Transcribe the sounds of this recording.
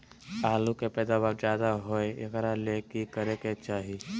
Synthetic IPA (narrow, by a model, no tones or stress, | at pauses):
aːlukepɛːd̪abaɾd͡ʒjaːd̪aɦoejɐɡɛɾalekikəɾeket͡ʃaːɦi